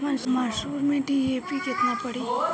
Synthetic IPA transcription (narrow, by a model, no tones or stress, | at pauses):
ənsmaʃuːɾmẽʈiepiket̪nãpəɽi